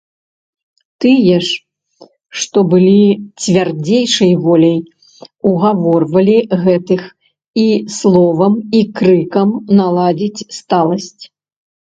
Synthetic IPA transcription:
t̪ɨjɛʂ | ʂt̪ɔbɨlʲit͡sʲvʲard͡zʲejʂɐjvɔlʲɐj | uɣavɔrvɐlʲiɣɛt̪ɨx | islˠɔvɐmikɾɨkɐmnalˠad͡zʲit͡sʲst̪alˠɐsʲt͡sʲ

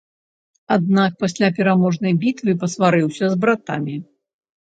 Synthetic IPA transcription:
ad̪̚nak̚pasʲlʲapʲɛɾamɔʐnɐjbʲit̪vɨpɐsvaɾɨwsʲɐzbɾat̪a̰mʲi

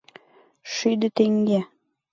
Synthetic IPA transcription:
ʃyjd̪ɘ̆t̪eŋɡe

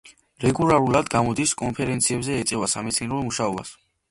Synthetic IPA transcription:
ɾɛɡulˠaɾulad̪ɡamɔd̪iskʼɔnpʰɛɾɛnt̪sʰiɛbzɛːt̪sʼɛvasamɛt̪sʰniɛɾɔmuʃaɔba̰s

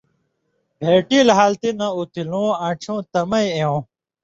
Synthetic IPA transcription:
bʱeːʈilɦaːlt̪inɐ̃ut̪ʰilõːãːt͡ɕʰõːt̪ɐmɐjẽõ

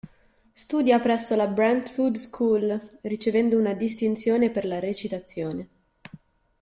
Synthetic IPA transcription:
st̪uːd̪japɾɛsːolabɾɛnt̪fud̪skʰuːlrit͡ʃevɛnd̪ounad̪is̬t̪int̪sjoːneperlaɾet͡ʃit̪at̪sːjoːne

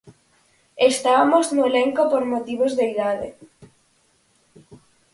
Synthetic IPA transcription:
est̪aβamoznoeleŋkopoɾmot̪iβozðeiðaðe

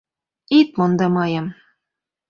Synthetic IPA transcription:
it̪̚mond̪ɑmɑjɤm

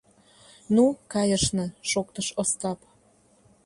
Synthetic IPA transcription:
nukɑjəʃnɤ̆ʃok̚t̪əʃost̪ɑp

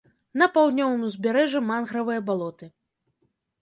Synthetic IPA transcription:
nɐpawd̪ʲnʲɔvɨmuzʲbʲɛɾɛʐɐmanɣɾɐvɨjɐbalˠɔt̪ɨ

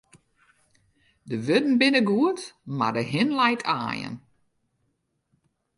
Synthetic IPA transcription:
dəʋødn̩bɪnəɡuəntma̰rdəɦɪnlɛjtʰa̰ːjə̰n

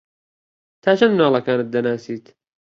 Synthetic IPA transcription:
t̪ʰaːt͡ʃʰɐnmnaːlˠɐkaːnɨt̪̚d̪ɐnaːsiːt̪

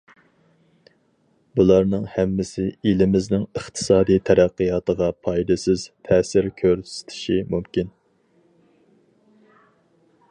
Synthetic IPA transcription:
bulˠɑɾnɨŋhɛmːɪsɪilɪmɪznɪŋəχt̪ʰɨ̥sɑːd̪ijt̪ʰɛɾæqːəjɑːt̪ʰəʁɑpʰɑjd̪ɪsɪz̥t̪ʰɛːsɪɾkʲʰøɾsɪ̥t̪ʰɪ̥ʃimumkʲin

